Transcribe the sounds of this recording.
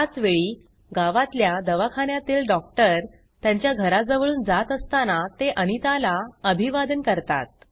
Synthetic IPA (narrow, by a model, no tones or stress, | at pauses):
at͡sʋeɭi | ɡaʋat̪ljad̪əʋakʰaɳjat̪iːlɖɔk̚ʈəɾ | t̪jaɲt͡ɕjaɡʱəɾad͡zəʋəɭuːnd͡zat̪əst̪anat̪eʔənit̪alaəbʱiʋad̪ənkəɾt̪a̰t̪̚